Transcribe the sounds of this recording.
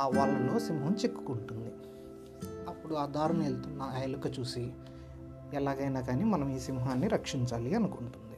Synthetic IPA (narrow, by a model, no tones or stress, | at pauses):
ʋaːɭːɐlo̞ːsimɦɐmt͡ʃekːu̥kuɳʈund̪i | ɐpːuɽuaːd̪aːɾunɐelt̪unːajlukɐt͡ʃuːsi | ɛlaːɡɐjnaːɡaːniːmɐnɐmiːsimɦaːnːiɾɐkʂiɲt͡ʃaːliɐnukuɳʈund̪i